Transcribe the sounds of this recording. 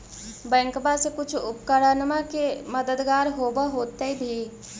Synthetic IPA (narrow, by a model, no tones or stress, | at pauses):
bɛ̃ːŋkbasekʊt͡ʃʰʊpkəɾənmakeməd̪əd̪ɡaːɾɦoːbəɦoːt̪eibʱi